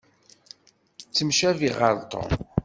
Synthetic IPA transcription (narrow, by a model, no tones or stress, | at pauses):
t͡sːəmʃæviʁə̰ɾˤt̪ˤo̰